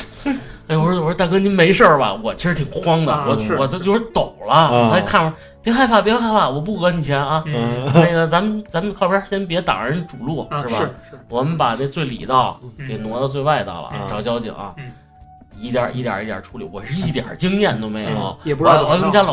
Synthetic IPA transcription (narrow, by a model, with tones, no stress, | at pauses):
jo˧wɻ̩˥o˧˩˥t̪a˥˩k̬ə˥ni˥me˧˥ɪʂə˥˩bɐ̰˩wɔ˨˩t͡ɕʰi˧˥ʂɻ̩˧˥t̪ʰi˨˩ŋxwɑ˥ŋd̪ə˨wɔ˨˧˩wɔ˨˩˥t͡ɕjo˥˧ʊʂɻ̩˥t̪o˨˩ʊlɐ˦˨a˥kʰa˥˩na˥ | pjɛ˥xa˥˩ɪpʰa˥˩pjxxʰa˥˩ɪpʰa˥˩wɔ˨˩p̬u˥˩xɤ˧˥ni˨˩t͡ɕʰjɛ˧˥na˥˧a˥˩ə˧t͡sa˧˥mə˨nt͡sa˧˥mə˨˧kʰɑ˥˩ʊpjɑ˧˥ɕjɛ˥np̬jɛ˧˥t̪ɑ̰˨˩ŋ˧ə˥n˥ʈ͡ʂu˨˩lwɔ˥˩ɻ̩˥˩bɐ̰˧˩wɔ˨˩mə˦npa˨˩ne˥˧t͡swe˥˩ɪlḭ˨˩t̪ɑ˥˩ʊke˨˩ɪnwɔ˧˥t̪ɑ˥˧ʊt͡swe˥˧wa˥˧ɪt̪ɑ̰˥˩ʊlə̰˨ʈ͡ʂɑ˨˩ʊt͡ɕjɑ˥ʊt͡ɕḭ˨˩ŋɐ̰˧ | i˥˩t̪jɑ̰˨˩ʔi˥˩t̪j̰i˥˩ja̰˨˩ʈ͡ʂʰu˥li˨˩˦wɔ˨˩ʂɻ̩˥˧i˥˩t̪jɑ̰˨˩t͡ɕi˥ŋjɛ˥˩nt̪o˥ʊme˧˥o̰˨˩˥wɔ˨˧˩wɔ˨˧˥kə˥n˧˩ja˥lɑ˨